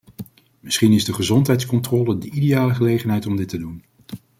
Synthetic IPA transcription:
mɪsχinɪzdəχəzɔntɦɛjtskɔntrɔːlədəʔidejaːləχəlejχənɦɛjtɔmdɪtədun

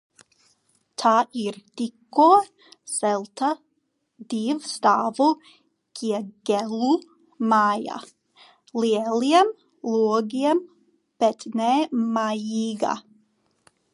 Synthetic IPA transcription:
t̪ʰaʔiɾd̥iko | sɛlˠt̪ʰa | diːvst̪aːvo | kʰiəɡ̥ɛlu | maːja̰ | liɛliɛm | luːɡiɛm | b̥ɛtnɛmajiːɡa̰

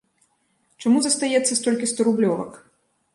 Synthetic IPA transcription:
t͡ʂamuzɐst̪ajɛt̪sːɐst̪ɔlʲkʲist̪ɔɾublʲɔvɐ̰k

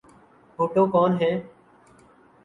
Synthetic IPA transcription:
ɦʰoːʈõːkɔːnɦɛ̃ː

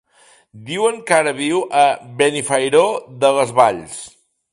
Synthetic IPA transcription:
d̪iwəŋkaɾəβiwʔəβenifəjɾoðələzβaʎs

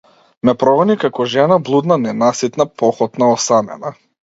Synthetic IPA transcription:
mɛpɾɔvɔnikakɔʒɛnablˠud̪nanɛnasit̪napɔxɔt̪naɔsamɛ̰na

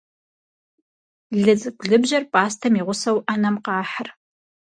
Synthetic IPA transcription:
ɮɨt͡sʼɨkʷɮɨbʑɐrpʼaːstʰɐmiːʁʷʊsɐwʔɐnɐmqɑːħər

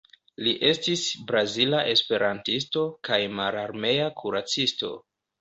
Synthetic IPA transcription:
liʔe̞stisbɾazilaʔe̞spe̞ɾantis̬to̞kajmaɾaɾme̞jakʰuɾat͡sisto̞̰

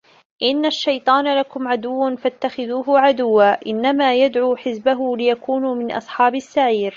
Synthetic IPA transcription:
ʔɪnːaʃːajt̪ˤɑːnalakʊmʕad̪ʊwːfat̪ːaxɪðuːɦʊʕad̪ʊwːaːʔɪnːamaːjad̪ʕuːħɪzbaɦʊlɪjakuːnuːmɪnʔɑ̰sˤħɑːbɪsːaʕiːɾ

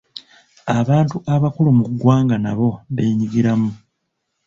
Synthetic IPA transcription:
aβaːntuʔaβakulumuɡːwaːŋɡanaβo̞βeːɲiɡiɾamu

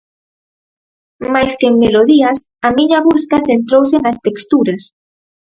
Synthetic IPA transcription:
majskeeŋmeloðias | amiɲaβuskaθent̪ɾowsenast̪ekst̪uɾas

